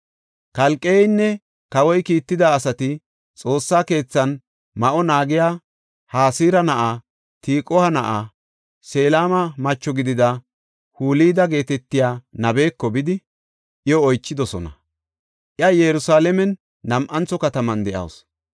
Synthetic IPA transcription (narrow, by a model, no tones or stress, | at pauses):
kɐlkʼːeːɪnːɛ | kɐwɔjkiːt̪ːɪd̪aːsɐt̪ɪ | t͡sʼo̞ːsːaːke̞ːt͡sːɐn | mɐʔɔnaːɡɪjaː | haːsiːɾɐnɐʔa | t̪iːkʼɔhɐnɐʔaː | se̞ːlaːmɐmɐt͡ʃːɔɡɪd̪ɪd̪ɐ | huːliːd̪ɐɡe̞ːt̪ɛt̪ːɪjaːnɐbe̞ːkːɔbɪd̪ɪ | ʔɪɔːjt͡ʃːɪd̪ɔsɔ̰nɐ̰ | ʔɪɐjɛɾʊsaːlɛmɛnː | ɐmʔɐnt͡sːɔkɐt̪ɐmɐnd̪ɛʔɐ̰ws